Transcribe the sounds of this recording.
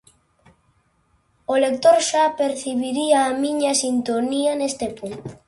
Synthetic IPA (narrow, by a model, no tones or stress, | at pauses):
olek̚t̪oɾʃapeɾθiβiɾiaːmĩɲɐsint̪oniɐnest̪epunt̪